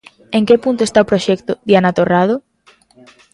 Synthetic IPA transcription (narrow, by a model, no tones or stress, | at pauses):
eŋkepunt̪oest̪aopɾoʃɛkt̪ʊðianat̪orað̞o